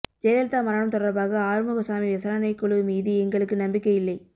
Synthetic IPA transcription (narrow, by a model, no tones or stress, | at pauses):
d͡ʒɛːɾɐlt̪aːmɐɾɐɳɐmt̪ɔɽɐɾbaːɣɐaːɾɯmʊɣɐsaːmiʋɪsaːɾɐnɐɪkːɔɭɯmiːðiɛŋɡɐɭɯkːɯnɐmbɪkːɐjɪlːɐɪ